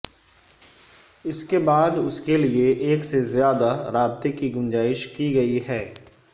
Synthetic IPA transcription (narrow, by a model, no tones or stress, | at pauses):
ɪskebaːd̪ʊskelieʔeːksezjaːd̪aɾaːbt̪ekiɡʊ̃nd͡ʒaːɪʃkiɡɐiɦɛː